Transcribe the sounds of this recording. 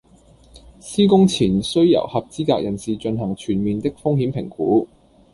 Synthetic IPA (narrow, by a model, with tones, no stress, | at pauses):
siː˥kʊ˥ŋt͡sʰiː˨˩nsɵ˥ɥjɐ̰˨˩whɐ˨p̚t͡siː˥kaː˧k̚jʔɐ˨˩nsiː˨t͡ʃɵ˧nɦɐ˨˩ŋt͡ʃʰyː˨˩nmiː˨nt̪ɪ˥k̚fʊ˥ŋhiː˨˥mpʰɪ˨˩ŋkuː˨˥